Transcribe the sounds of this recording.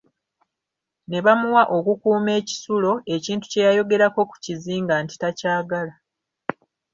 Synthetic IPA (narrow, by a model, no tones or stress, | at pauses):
ne̞βamuwaʔo̞kukuːme̞ːci̥sulo̞e̞ciːntu̥ce̞jajo̞ɡe̞ɾako̞ku̥ciziːŋɡaːnti̥tacaːɡala